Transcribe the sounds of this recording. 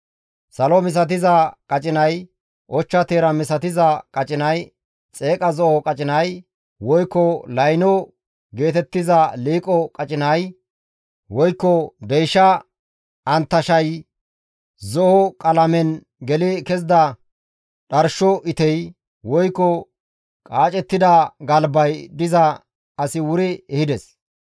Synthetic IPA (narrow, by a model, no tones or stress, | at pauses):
sɐlɔmɪs̬ɐt̪̬ɪzɐkʼɐt͡ʃʼɪnɐj | ʔɔt͡ʃːɐt̪eːɾɐmɪsɐt̪ɪzɐkʼɐt͡ʃʼɪnɐj | t͡sʼe̞ːkʼɐzɔʔɔkʼɐt͡ʃʼɪnɐj | wɔjkːɔlɐjnɔ | ɡe̞ːt̪ɛt̪ːɪzɐliːkʼɔkʼɐt͡ʃʼɪnɐj | wɔjkːɔd̪ɛjʃɐ | ʔɐnt̪ːɐʃɐj | zɔhɔkʼɐlɐmɛn | ɡɛlɛkɛzd̪ɐ | ɗɐɾʃɔʔɪt̪ɛj | wɔjkːɔ | kʼaːt͡ʃʼɛt̪ːɪd̪ɐɡɐlbɐjd̪ɪzɐ | ɐsɪwʊɾɪɛhɪd̪ɛs